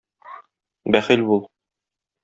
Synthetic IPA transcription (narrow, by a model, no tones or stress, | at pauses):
bæχilbulˠ